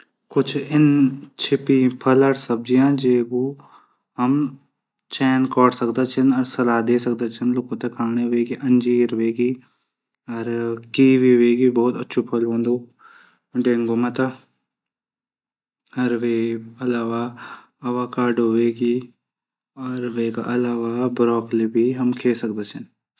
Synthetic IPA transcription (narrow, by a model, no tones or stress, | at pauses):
kʊt͡ʃʰɪnt͡ʃʰɪpipʰɐləɽsɐb̚d͡ʒijãːd͡ʒeːkuː | ɦɐm | t͡ʃɛːnkɔːʈsɐkd̪at͡ʃʰɪnɐɾsɐlaːd̪eːsɐk̚d̪at͡ʃʰɪnlʊkõt̪ekʰaːɽ̃eʋeːɡiʔɐ̃ɲd͡ʒiːɾʋeːɡiː | ɐɾkiːʋiʋeːɡibɔːt̪ɐtːʃʰupʰɐlɦõːnd̪u | ɖẽːŋɡomɐt̪a | ɐɾʋeːɐlaːʋa | ɐʋaːkaːɾɖɦʊʋeːɡi | ɔːɾʋeːka̰ʔɐlaːʋabɾɔːklibʱiɦɐmkʰeːsɐk̚d̪at͡ʃʰɪn